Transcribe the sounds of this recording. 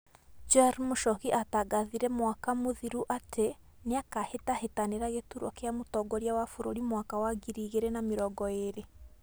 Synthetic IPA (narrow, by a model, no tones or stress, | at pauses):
d͡ʒɛɾmoʃɔɣiʔataɡaðiɾɛmwakamoðiɾuʔatʰe | neakahetahetaneɾaɣetuɾwakeamotɔɡɔɾjawafoɾoɾimwakawaɡiɾiːɣeɾɛnameɾɔɡɔeɾe